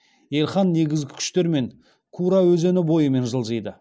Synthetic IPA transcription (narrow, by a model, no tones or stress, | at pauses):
je̞lʲχɑnːe̞ɡʲɪzɡʲɪkʲʰʏ̥ʃt̪e̞ɾme̞ŋ | kʰuɾɑwɵzenɪbo̞jəme̞nʒəlˠʒəjd̪ə